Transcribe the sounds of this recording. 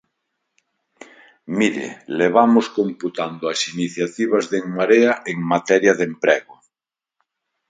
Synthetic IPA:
miɾḛleβ̞amʊskomput̪and̪oasiniθjat̪iβazðeŋmaɾeaʔeŋmat̪ɛɾjaðempɾɛɣʊ

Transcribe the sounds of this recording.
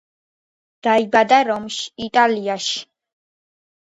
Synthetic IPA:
d̪̥aibad̪aɾɔmʃi̥ːt̪ʼaliaʃi̥

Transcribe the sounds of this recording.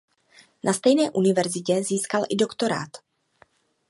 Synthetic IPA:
nʔast̪ɛjnɛːʔunɪvɛɾzɪcɛziːskalʔɪdo̞kt̪o̞ɾa̰ːt̪

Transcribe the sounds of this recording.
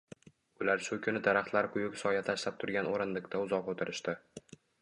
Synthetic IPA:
ʊlaɾʃʊkʲʰʊnɪd̪aɾaχt̪laɾkʰʊjʊksɒjat̪ʰaʃlap̚t̪ʰʊɾɡʲanoɾɪnlɪkʲt̪ʰaʊzɒqot̪ʰɪɾɪʃt̪ɪ

